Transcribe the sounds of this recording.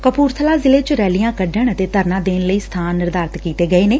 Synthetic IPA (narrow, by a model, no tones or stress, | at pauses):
kəpuːɾt̪ʰəlaːzɪleːt͡ʃəɾɛːlijãːkəɖəɳət̪eːt̪əɾnãːd̪eːnləiːst̪ʰaːnːɪɾd̪aːɾt̪kiːt̪eːɡəeːneː